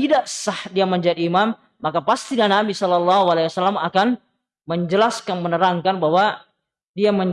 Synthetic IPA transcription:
idaʔsahdiaməɲd͡ʒadiːmamː | akapast̪inanabisɔlɔlːaɦualajwasalamakan | məɲd͡ʒəlaskanmənəɾaŋkanbawa | diaməɲ

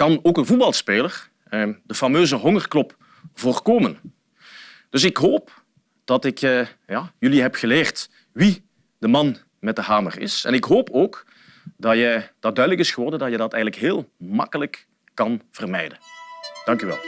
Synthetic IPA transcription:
kɑnoːkənvud̚bɑlˠspeːlər | dəfɑmøːzəɦɔŋərklɔp | voːrkoːmən | d̥ɵs̬ɪkɦoːp | d̥ɑtɪk | jaːjɵliɦɛpxəleːrt | ʋi | d̥əmɑn | mɛt̚dəɦaːmə̰rɪ̰sɛ̰nɪkɦoːpʰoːk | dɑjəd̥ɑt̚dœɥdələkɪsxəʋɔrdəndɑtjədɑtɛjɣənləkɦeːlˠmɑ̰kələkː | ɑnv̥ərmɛjdənd̥ɑŋkyʋɛ̰lˠ

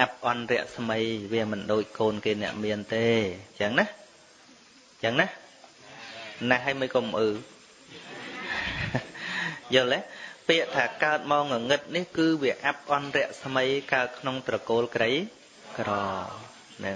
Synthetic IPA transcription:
ʔap̚ʔɑnrɛ̆əʔsməjʋiəmɨnɗoːc̚koːnkeːnɛ̆əʔmiənt̪eːjəːŋnah | jaəːŋnah | naɦəːjmɨjkoːmʔɨː | jolɛhpiəʔt̪ʰaːkaət̪̚maɔŋɔŋɨt̪̚nihkɨːʋiəʔap̚ʔɑnrɛ̆əʔsməjkaət̪̚kʰnoŋt̪rɑkoːlkrəj | krɑː | nɨŋ

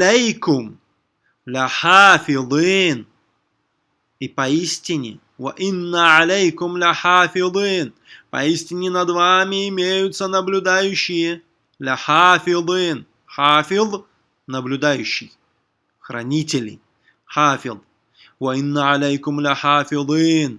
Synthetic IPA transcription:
ejkʊm | lʲɪħafʲɪðˤin | ipɐisʲtʲɪnʲɪ̰ | wɐ̰ʔɪnːəʕalʲejkʊmlʲɪħafʲɪðˤɨin | pɐ̰isʲtʲɪnʲɪnɐd̪vamʲɪɪmʲejʊt̪sənəblʲʊd̪ajʉɕːɪjə | lʲaħafʲɪðˤɨn | ħafʲɪðˤ | nəblʲʊd̪ajʉɕːɪj | xrɐ̰nʲitʲɪlʲɪ̰ | ħafʲɪðˤ | wɐɪnːəʕalʲejkʊmlʲɪħafʲɪðˤiːn

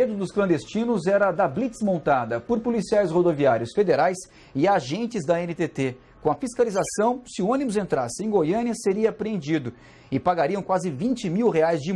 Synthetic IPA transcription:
ed̪ʊd̪ʊsklɐ̃nd̪est͡ʃĩnʊzɛɾɐd̪ablit͡ʃsmõnt̪ad̪ɐpoɾpolisiajshod̪oviaɾjʊsfed̪eɾajs | ɪaʒẽnt͡ʃɪzd̪ɐẽnit̪et̪e | kõw̃ɐfiskalizasɐ̃w̃sɪʊõnimʊzẽnt̪ɾasɪẽɡojɐ̃niɐseɾiɐːpɾeẽnd͡ʒid̪ʊ | ɪpaɡaɾiɐ̃w̃kwazɪvĩt͡ʃɪmiwɦeajzd͡ʒɪ

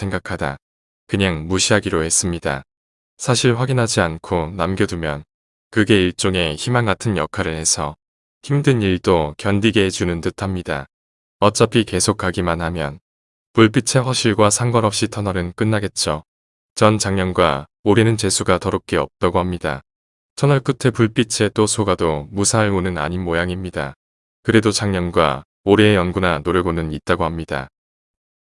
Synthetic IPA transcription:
sʰe̞ŋɡakʰada̰ | kɯɲaŋmuɕʰiɦaɡiɾoɦe̞s͈ɯmɲida̰ | sʰaɕʰiɭɸwaɡinɦad͡ʑiankʰonamɡjʌdumjʌn | kɯɡe̞iɭt͡ɕ͈oŋe̞çimanɡatʰɯnjʌkʰaɾɯɭhe̞sʰʌ | çimdɯniɭdokjʌndiɡet͡ɕunɯntɯtʰamɲida̰ | ʌt͡ɕ͈ʌpʰike̞sʰokʰaɡimanhamjʌn | puɭp͈it͡ɕʰe̞ɸwʌɕʰiɭɡwasʰaŋɡʌɾʌp̚ɕ͈itʰʌnʌɾɯnk͈ɯnːaɡe̞t̚t͡ɕ͈o | t͡ɕʌnt͡ɕaŋɲʌnɡwaoɾenɯnt͡ɕe̞sʰuɡatʌɾok͈e̞ʌp̚t͈aɡohamɲida̰ | t͡ɕʰʌnʌɭk͈ɯtʰepuɭp͈it͡ɕʰe̞t͈osʰoɡadomusʰaɭunɯna̰ɲinmojaŋimɲida̰ | kɯɾe̞dot͡ɕʰaŋɲʌnɡwa̰ | oɾeːjʌnɡunanoɾeɡonɯnit̚t͈aɡohamɲida̰

